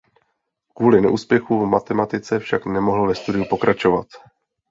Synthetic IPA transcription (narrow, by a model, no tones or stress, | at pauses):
kvuːlɪnɛ̰ʔuːspjɛxuvmat̪ɛmat̪ɪt͡sɛfʃaknɛmo̞ɦl̩vɛst̪udɪjupo̞kɾʔat͡ʃo̞vat̪